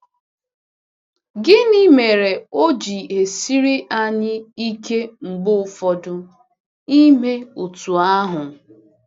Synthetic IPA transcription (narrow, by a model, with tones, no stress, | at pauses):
ɡɪ˦ni˦me˨ɾe˨o˦d͡ʒi˨e˨si˦ɾi˦ʔa˦ɲɪ˦i˦ke˦ŋ͡m̩˨ɡ͡bʊ˦ʊ˨fɔ˨dʊ˦ | i˦me˦u˨tu˨a˦ɦʊ˨